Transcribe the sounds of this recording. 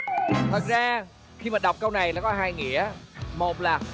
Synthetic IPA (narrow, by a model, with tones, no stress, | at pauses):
t̪ʰə˨˩t̚zaː˧ | xi˧maː˨˩ɗa˨˩wk͡p̚kə˧wna˨˩jlaː˨˩kɔ˨˦ɦaː˧jŋḭ˧˨əmo˨˩t̚laː˨˩